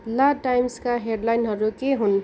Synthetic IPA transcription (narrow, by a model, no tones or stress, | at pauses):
laʈajmskaɦeɖlajnɦʌɾukeɦun